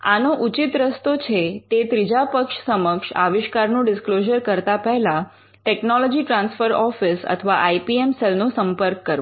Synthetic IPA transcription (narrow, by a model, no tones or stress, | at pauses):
a̰noʔut͡ʃit̪ɾəst̪ot͡ʃʰet̪et̪ɾid͡ʒapəkʂsəməkʃa̰ʋɪʃkaɾnũɖɪskloʒəɾkəɾt̪apəɦlã | ʈɛknɔlɔd͡ʒiʈɾãnsfəɾɔfisə̰t̪ʰəʋaʔajpiemselnũsəmpəɾkːəɾ